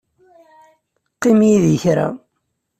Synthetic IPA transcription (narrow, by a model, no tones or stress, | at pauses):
qːimjiðəçɾa̰